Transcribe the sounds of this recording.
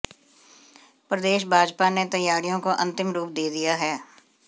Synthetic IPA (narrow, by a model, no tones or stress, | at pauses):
pɾəd̪eːʃ̬bʱaːd͡ʒpanet̪ɐjːaːɾijõkoʔɐ̃nt̪ɪmɾuːp̚d̪eːd̪ijaɦɛː